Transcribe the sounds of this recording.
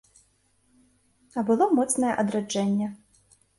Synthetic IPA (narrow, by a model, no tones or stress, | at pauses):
ɐbɨlˠɔmɔt̪snɐjɛ̰ʔɐd̪ɾad͡ʐɛnʲːɛ